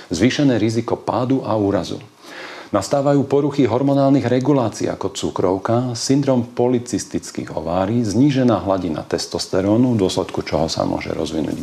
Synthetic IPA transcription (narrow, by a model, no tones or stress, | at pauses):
zʋiːʃɛnɛːɾizikɔpaːd̪uʔauːɾazṵ | nast̪aːʋajuːpɔɾuxiɦɔɾmɔnaːlniɣɾɛɡulaːt͡sḭːa̰kɔt͡sukɾɔʊkasind̪ɾɔːmpɔlit͡sist̪it͡skḭɣɦɔ̰ʋaːɾiːzɲiːʒɛnaːɦlaɟina̰t̪ɛst̪ɔst̪ɛɾɔːnud̪ʊɔslɛt̪kut͡ʃɔɦɔsa̰mʊɔ̰ʒɛ̰ɾɔ̰zʋinṵːɟ